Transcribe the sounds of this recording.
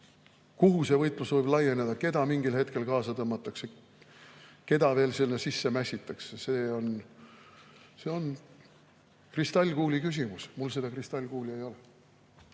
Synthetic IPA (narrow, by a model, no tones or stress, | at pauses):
kuɦuse̞vɤjt̪ˑlusvɤjb̥lɑje̞ned̪̥ɑke̞d̪ɑmiŋɡilhe̞t̪ke̞lkɑːsɑt̪ɤmːɑt̪ːˑɑkse | ke̞d̪̥ɑve̞ːlselnesisːe̞mæsʲit̪ːˑɑkseseːo̞n | se̞o̞n | krist̪ɑlʲːɡ̥uːlʲikys̬ʲimusmulse̞d̪ɑkrist̪ɑlʲːɡ̥uːlʲie̞jo̞le